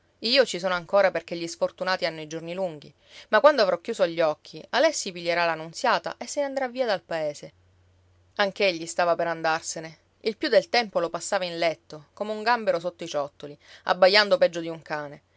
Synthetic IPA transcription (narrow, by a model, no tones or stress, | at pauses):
iːot͡ʃisoːnoaŋkoːɾaperk̟eʎːisfort̪unaːt̪ianːoid͡ʒorniluŋɡ̟i | makːwand̪oavɾɔkːjuːsoaʎːɔkʰːialɛsːipiʎːeɾalanːunt̪sjaːt̪a̰ʔesːeneand̪ɾavːiːad̪alpaeːse | aŋkeʎːist̪aːvapeɾand̪arsene | ilpjud̪ːelt̪ɛmpolopasːaːvainlɛt̪ːokomeuŋɡambeɾosot̪ːoit͡ʃɔt̪ːolia̰bːajːand̪opɛd͡ʒːod̪iuŋkaːne